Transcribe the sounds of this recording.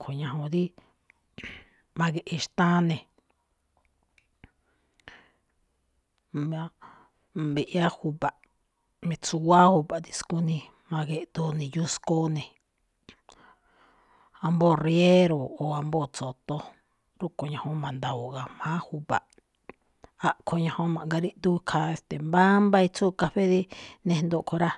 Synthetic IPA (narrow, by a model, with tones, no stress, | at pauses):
kʰo˨ɲã˧ɦõ˧ði˦ | mã˧ɣe˧ʔe˧ʃt̪ã˦nẽ˨ | mã˧ | be˧ʔja˦hu˧βa˨ʔ | mẽ˧t͡su˧wa˦hu˧βa˨t̪i˦sku˦nĩ˧ | mã˧ɣe˧ʔt̪o˧nĩ˧˨ju˦sko˦nẽ˨ | a˧mbo˦˨rje˦ɾo˨o˨a˧mbo˦˨t͡so˨t̪o˧˦ | ɾu˦ko˨ɲã˧hõ˧˦mã˨nd̪a˨u˨ɣa˨mã˦hu˧βa̰˨ʔ | a˧ʔkʰo˧ɲã˧hõ˦mã˨ŋɡa˧ɾi˦ʔt̪u˦kʰa˧e˧st̪e˨mba˦mba˧i˧t͡suː˦ka˧ɸe˦ði˦nẽ˧nd̪o˧ʔkʰo˧ɾa˦